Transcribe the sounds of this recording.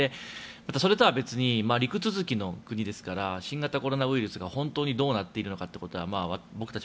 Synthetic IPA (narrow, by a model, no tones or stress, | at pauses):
emat̪aso̞ɾe̞t̪o̞abe̞t͡sɨɲ̟imaːɾʲikɯ̟t͡sɨzɨkʲino̞kɯ̟ɲ̟id̪e̞sɨ̥kaɾaɕĩŋɡat̪ako̞ɾo̞naɯ̟iɾɯ̟sɨɡahõ̞nt̪o̞ːɲ̟id̪o̞ːnat̪ːe̞iɾɯ̟no̞kat̪ːe̞ko̞t̪o̞βamaːβabo̞kɯ̟t̪at͡ɕi